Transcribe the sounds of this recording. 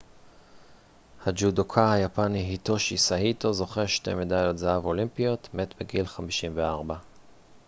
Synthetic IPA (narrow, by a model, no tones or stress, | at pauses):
had͡ʒudokʰahajapaniɦito̞ʃisahito̞zo̞χeʃte̞̰midajo̞tzaavo̞limpijo̞tme̞tbeɡilχamiʃimveaʁba